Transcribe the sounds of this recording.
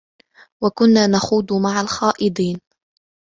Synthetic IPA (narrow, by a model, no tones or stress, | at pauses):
wakʊnːaːnaxuːd̪maʕalxaːʔɪd̪ˤiːn